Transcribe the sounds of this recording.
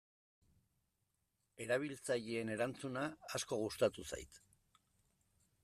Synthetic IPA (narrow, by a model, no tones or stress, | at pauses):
e̞ɾaβ̞ilt͡saʎiene̞ɾant͡sunaːsko̞ɣ̞ust̪at̪usa̰jt̪